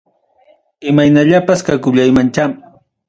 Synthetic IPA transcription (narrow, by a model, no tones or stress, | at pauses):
ɪmajnaʎapaskakʊʎajmant͡ʃam